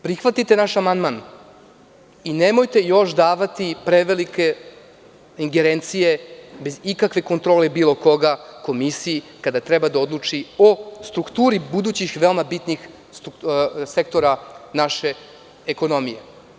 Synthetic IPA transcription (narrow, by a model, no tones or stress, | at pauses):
pɾixʋat̪it̪e̞naʃamand̪man | inemo̞jt̪e̞jo̞ʃd̪aːʋat̪ipɾeʋelike̞ | iŋɡeɾent̪sije̞be̞zikakʋe̞ko̞nt̪ɾo̞ːle̞biːlˠo̞ko̞ɡako̞misiji | kad̪at̪ɾɛbad̪aod̪lˠut͡ʂio̞st̪ɾukt̪uːɾibud̪uːt͡ɕixʋeomabit̪nix | suse̞k̚t̪o̞ɾanaʃe̞ː | ko̞no̞mije